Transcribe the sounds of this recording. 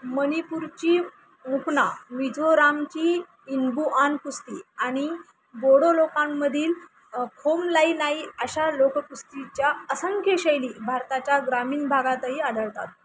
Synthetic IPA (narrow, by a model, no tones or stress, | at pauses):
mənipuɾt͡ɕiː | mukʰnamid͡zʱoɾamt͡ɕiː | nbuʔankust̪iːaɽ̃i | boɽolokãmːəd̪ʱiːl | kʰomlainaiəɕalokkust̪it͡ɕjaəsəŋkʰeɕejliːbʱaɾt̪at͡ɕjaɡɾamiːnbʱaɡat̪əɦiːad̪ʱəɭt̪a̰t̪̚